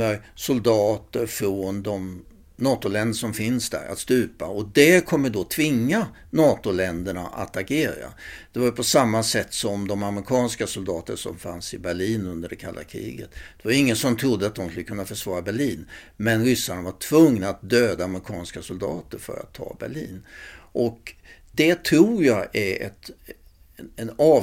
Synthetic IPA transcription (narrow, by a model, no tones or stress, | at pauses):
əsʊld̪ɑːt̪əɾfɾoːnd̪ɔm | nɑːt̪ʊlɛnd̪əʂɔmfɪnsd̪æ̰ɾa̰t̪st̪ʉ̟ːpaɔd̪ɛkʰɔmːəɖot̪ʰvɪŋːa | nɑːt̪ʊlɛnd̪əɳa̰ʔa̰t̪aɡeːɾa̰d̪̥ɛvaɾjpʰɔsamːasɛt̪ːsɔmd̪ɔmaməɾɪkʰɑːnskasʊld̪ɑːt̪əʂɔ̰mfansɪbæɭiːnɵnd̪əɖɛkʰalːa̰kʰɾḭːɡə̰t̪d̪̥ɛvajɪŋːənsɔmt̪ʰɾʊd̪ːəat̪̚d̪ɔmskɵlːəkʰɵnːafœʂvɑːɾabæɭiːnmɛnɾʏsːanavaʈʰv̥ɵŋnaat̪̚d̪øːd̪aːmɾɪkʰɑːnskasʊld̪ɑ̰ːt̪əɾfœ̰ɾa̰t̪ʰːɑ̰ːbæ̰ɭḭːnʔɔk | d̪̥ɛt̪ʰɾuːɾjaɡæɾɛ̰t̪ | ɛnɑː